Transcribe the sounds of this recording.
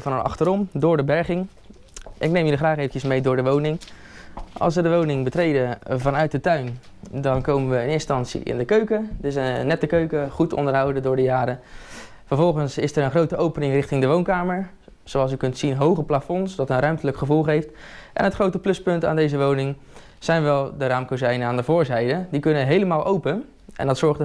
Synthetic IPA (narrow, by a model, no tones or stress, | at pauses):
vɑnəlɑ̰χtəɾɔmdʊːɹdəbɛɹχɪŋ | ʔɪknejmjələχraːχejvəncəsmejdʊːɹdəʋownɪŋ | ʔɑ̰lˠsʋədəʋownɪŋbətrejdəvɑnœɥt̚dətœɥn | dɑnkowmənʋəənɪnstɑntsḭɪ̰ndəkøɥkədəɪsənːɛtəkøɥkəχutɔ̰ndəɹɦʌwdədʊːɹdəjaːɾə | fəɹvɔlˠχənsɪsəɹənχrowtəʔowpənɪŋrɪχtɪŋdəʋownkaːməɹ | zoɑlˠsykɵntsinɦowχəplafɔnsdɑtənrœɥmtələkχəvulˠχejftʔɛ̰nɦətχrowtəplɵspɵnta̰ːndejzəʋownɪŋ | z̥ɛjnʋɛlˠdəraːmkozɛjnəaːndəvʊːɹzɛjdədikɵnəɦejləmaːlˠʔowpən | ʔɛ̰ndɑtsɔɹχdə